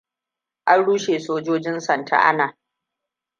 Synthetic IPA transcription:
ʔa˦nɽuː˦ʃeː˨soː˦d͡ʒoː˦d͡ʒɪ˦nsɐ˨ntʰa̰˨ʔa̰˦naː˨

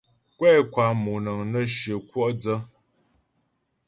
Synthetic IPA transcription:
kwɛ˦˨kwa˨mu˨nə˨ŋnə˦ʃə˨kwɔ˦ʔd͡zə˦

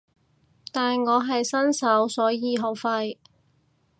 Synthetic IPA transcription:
t̪aː˨nŋɔː˨˧ɦɐ˨jsɐ˥nsɐ˨˥wsɔː˨˥jiː˨˧ɦo˨˧˥wfɐ˧j

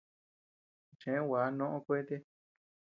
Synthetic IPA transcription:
t͡ʃẽ˨˦wa˨˦nõ˦ʔõ˦˧kʷe˦t̪e˦

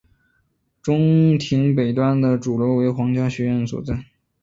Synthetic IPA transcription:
ʈ͡ʂʊ˥ŋt̪ʰi˧˥ŋpe˨˩ɪt̪wa˥nd̪ə˨ʈ͡ʂu˨˩lo˧˥ʊwe˧˥ɪxwɑ˧˥ŋt͡ɕja˥ɕɥɛ˧˥ɥɛ˥˩nswɔ̰˨˩t͡sa˥˩ɪ

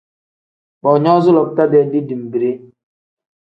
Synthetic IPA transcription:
k͡pɔ˨ɲɔ˦zʊ˦lɔ˨k̚ta˦dɛ˦di˦di˨m̩˨bi˨ɾe˦

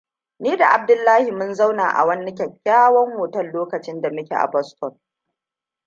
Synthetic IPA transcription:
niː˦da˨ʔa˨b̚dʊ˦lːaː˦hi˨mʊ˦nza˦wna̰ː˨ʔa̰˨wɐ˦nːɪ˦k̬ʲɐ˨kʲːaː˦wɐ˦mwoː˨tɐ˦nloː˦kɐ˨t͡ʃɪ˦nda˨mʊ˦kʲḛ˨ʔa̰˨bɔ˦stɔ˨n

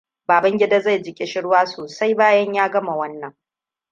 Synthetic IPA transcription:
baː˨bɐ˦ŋɡʲɪ˦da˦za˦˨jd͡ʒɪ˨kʲʼɪ˦ʃɪ˦ɽwaː˦soː˨sa˦jbaː˦jɐ˦ɲjaː˦ɡɐ˦ma˨wɐ˦nːɐ˨ŋ

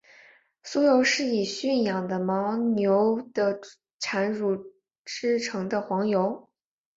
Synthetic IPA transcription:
su˥jo˧˥ʊʂɻ̩˥˩i˨˩ɕy˥˩njɑ˨˩ŋd̪ə˦mɑ˧˥ʊnjo˧˥ʊd̪̥ə˧ | ʈ͡ʂʰa˧˥nɻu˨˥˩ | ʈ͡ʂɻ̩˥ʈ͡ʂʰɤ˧˥ŋd̪ə˧xwɑ˧˥ŋjo˧˥ʊ

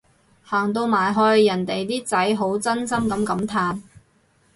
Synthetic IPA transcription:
haː˨˩ŋt̪o˧wmaː˨˩jɦɔː˧jɐ˨˩nt̪e˨jt̪iː˥t͡sɐ˨˥jɦo˨˥wt͡sɐ˥nsɐ˥mkɐ˨˧˥mkɐ˨˥mt̪ʰaː˧n

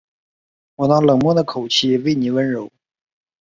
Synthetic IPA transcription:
wɔ˨˩nɑ˥˩lɤ˨˩ŋmwɔ˥˩d̪ə˩kʰo˨˩ʊt͡ɕʰi˥˩we˥˩ɪni˧˥wə˥nɻo˧˥ʊ

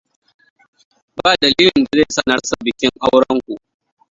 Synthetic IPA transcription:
baː˦˨dɐ˨liː˦lɪ˨nda˨zeː˦sɐ˨nɐ˦rsa˨bɪ˨kʲɪ˦ŋʔa˦wɽɐ˦ŋkʷu˨ʔ

